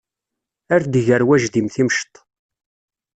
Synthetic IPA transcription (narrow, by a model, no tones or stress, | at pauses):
æɾd̪ʝəɾwæʒðimθimʃt̪ˤ